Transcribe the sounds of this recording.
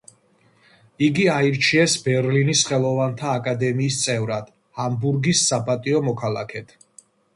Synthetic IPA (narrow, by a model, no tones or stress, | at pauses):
iɡiaiɾt͡ʃʰiɛsbɛɾlinisχɛlˠɔvant̪ʰaːkʼad̪ɛmiːst̪sʼɛvɾad̪̥ | hambuɾɡisːapʼat̪ʼiɔmɔkʰalˠa̰kʰɛt̪ʰ